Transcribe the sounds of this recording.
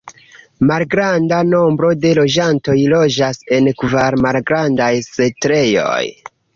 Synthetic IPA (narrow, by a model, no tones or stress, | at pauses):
malɡɾandano̞mbɾo̞de̞lo̞d͡ʒanto̞jlo̞d͡ʒase̞nkvaɾmalɡɾandajsetɾe̞jo̞̰j